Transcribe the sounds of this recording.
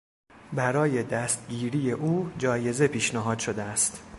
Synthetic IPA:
bæɾɒːje̞d̪æst̪̚ɟiːɾiːje̞ʔuːd͡ʒɒːje̞ze̞pʰiːʃnæɦɒːd̪̥ʃo̞d̪eæst̪

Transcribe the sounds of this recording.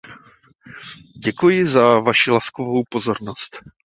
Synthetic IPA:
ɟɛkujɪzavaʃɪlaskovowpo̞zo̞ɾno̞st̪

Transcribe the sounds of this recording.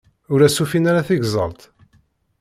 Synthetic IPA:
ʊɾæsufinaɾaθiʝzˤə̰lt̪

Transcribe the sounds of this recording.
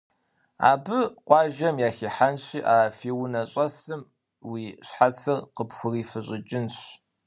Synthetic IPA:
a̰ːbɨqʷɑːʒɐmjaːxiːħanɕiːʔaːfiːwʊnɐɕʼɐsɨm | wiːɕħat͡sʰɨrqəpxʷʊriːfɨɕʼɪt͡ʃʼɪnɕ

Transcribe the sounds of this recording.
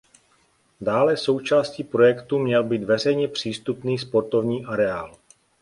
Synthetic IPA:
daːlɛso̞wt͡ʃaːsciːpɾo̞jɛkt̪umɲɛlbiːd̪vɛr̝ɛjɲɛpr̝̥iːst̪upniːspo̞ɾt̪o̞vɲiːʔaɾɛaːl

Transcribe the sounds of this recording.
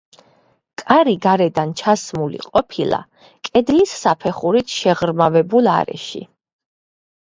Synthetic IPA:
kʼaɾiɡaɾɛd̪ant͡ʃʰasmulḭqʼɔpʰilˠa̰ | kʼɛd̪lisːapʰɛχuɾit̪ʰʃɛʁɾmavɛbulˠa̰ɾɛ̰ʃḭ

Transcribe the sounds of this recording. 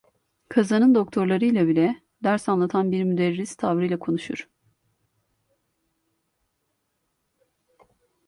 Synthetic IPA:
kʰazanɯnd̪o̞kt̪ʰo̞ɾlˠaɾɯjlʲˠabilʲɛ | d̪æɾsanlˠat̪ʰanbiɾmyd̪ɛɾːist̪ʰavɾɯjlʲˠakʰo̞nuʃuɾ̥

